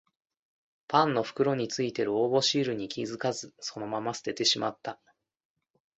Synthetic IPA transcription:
pãnːo̞ɸɯ̟̥kɯ̟ɾo̞ɲ̟it͡sɨit̪e̞ɾɯ̟oːbo̞ɕiːɾɯ̟ɲ̟ikʲizɨkazɨso̞no̞mamasɨ̥t̪e̞t̪e̞ɕima̰t̪ːa

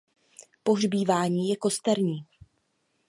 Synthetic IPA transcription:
po̞ɦrbiːvaːɲiːjɛko̞st̪ɛɾɲiː

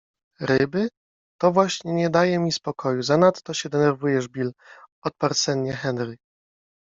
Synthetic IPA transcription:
ɾɘbɘ | t̪ɔvwaɕɲɛɲɛd̪ajɛmʲispɔkʰɔjuzanat̪ːɔɕɛd̪ɛnɛɾvujɛʐbʲilɔt̪̚paɾt̪sɛnɲɛxɛnɾɘ

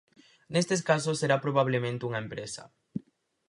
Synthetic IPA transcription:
nest̪eskas̬osːeɾapɾoβaβ̞lemẽnt̪euŋɐempɾesɐ̰

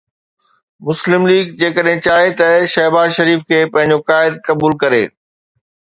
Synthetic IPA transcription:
mʊslɪmliːɡd͡ʑeːkəɗɦɪ̃t͡ɕaːɦet̪ɐʃɐɦbaːzʃɐɾiːfkʰeːpɐ̃ɦɪ̃ɲ̆d͡ʑokaːɪd̪̚kɐbuːlkɐɾḛː

